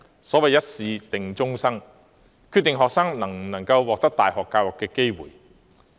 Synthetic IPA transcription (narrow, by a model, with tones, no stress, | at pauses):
sɔː˨˥wɐ˨jɐ˥t̚siː˨˧t̪ɪ˨ŋt͡sʊ˥ŋsɐ˥ŋ | kʰyː˧t̪ːɪ˨ŋɦɔː˨k̚sɐ˥ŋnɐ˨˩ŋ˨nɐ˨˩ŋkɐ˧wwɔː˨k̚t̪ɐ˥k̚t̪aː˨˩jhɔː˨kːaː˧wɐ˨˩kːɛː˧ke˥jwṵː˨˩j